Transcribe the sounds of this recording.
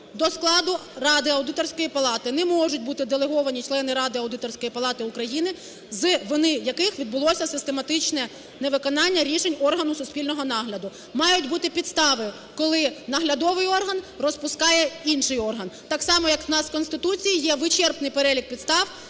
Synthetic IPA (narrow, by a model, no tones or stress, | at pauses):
d̪ɔsklˠɑd̪ʊrɑd̪ɪɐwd̪ɪt̪ɔrsʲkɔjipɐlˠɑt̪ɪnɛmɔʒʊtʲbut̪ɪd̪elˠeɦɔʋɐnʲit͡ʃlˠɛnɪɾɑd̪ɪɐwd̪ɪt̪ɔrsʲkɔjipɐlˠɑt̪ɪʊkɾɐjinɪ | zʋɪnɪjɐkɪxʋʲid̪̚bʊlˠɔsʲɐsɪst̪emɐt̪ɪt͡ʃnɛ | neʋɪkɔnɑnʲːɐɾʲiʃenʲɔrɦɐnʊsʊsʲpʲilʲnɔɦɔnɑɦlʲɐd̪ʊ | mɑjʊtʲbut̪ɪpʲit̪st̪ɑʋɪ | kɔlˠɪnɐɦlʲɐd̪ɔʋɪjɔrɦɐnrɔspʊskɑjɛinʃɪjɔrɦɐnt̪ɑksɑmɔjɐk̪nɑskɔnst̪ɪt̪ut͡sʲijijɛʋɪt͡ʃɛrpnɪjpeɾɛlʲik̚pʲit̪st̪ɑw